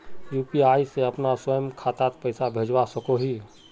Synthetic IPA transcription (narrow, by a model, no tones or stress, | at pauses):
juːpiaːiseəpnaswəjəmkʰaːt̪at̪pəɪsabʱed͡ʒwasəkoɦiː